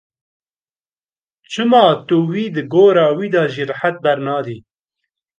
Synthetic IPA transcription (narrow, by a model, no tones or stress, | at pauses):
t͡ʃʰɨmɑːt̪uwiːd̪ɨɡoːɾɑːwiːd̪ɑːʒiːɾħat̪̚bɛɾnɑːd̪iː